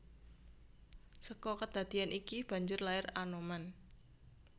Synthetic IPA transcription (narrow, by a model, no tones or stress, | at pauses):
səkɔkəd̪̥a̤d̪̥i̤anʔikib̥a̤ɲd͡ʒʊrlaɪranoman